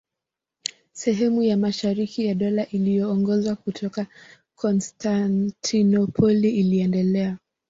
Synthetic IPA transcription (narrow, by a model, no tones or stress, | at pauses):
sɛɦɛmujamaʃaɾikijaɗɔlaʔilijɔːŋɡɔzwakutʰɔka | kʰɔnstantʰinɔpʰɔliːliɛndɛlɛa